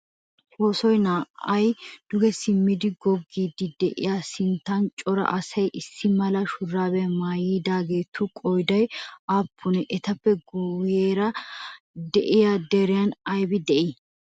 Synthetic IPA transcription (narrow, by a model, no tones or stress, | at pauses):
hoːsɔjnaːɐjd̪̥ʊɡɛsɪmːɪd̪ɪɡɔɡːiːd̪ɪd̪ɛʔɪ̰jaːsɪnt̪ːant͡ʃʼɔɾɐ̰ʔɐsɐjʔɪsːɪmɐlɐʃʊrːaːbɛmaːjiːd̪aːɡe̞ːt̪ʰːukʼɔjd̪ɐjaːpʰːʊnɛʔɛt̪ɐpːɛɡujeːɾɐ | d̪ɛʔɪjad̪ɛɾɪjanɐjbɪd̪ɛʔɪ